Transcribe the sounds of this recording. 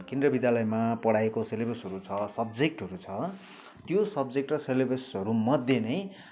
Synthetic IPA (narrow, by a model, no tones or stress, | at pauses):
kend̪rʌbid̪jalʌjmapʌɽaekoselebʱesʌɾut͡sʰʌsʌbd͡zek̚ʈɦʌɾut͡sʰʌ | t̪josʌbd͡zek̚ʈrʌselebesɦʌɾumʌd̪ʱjenʌj